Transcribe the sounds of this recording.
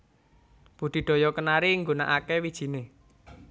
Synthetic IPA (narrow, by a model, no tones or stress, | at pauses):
b̥ud̪̥i̤ɖ̪̥ɔ̤jɔkənaɾiŋɡona̰ʔakewid̥ʒ̥i̤ne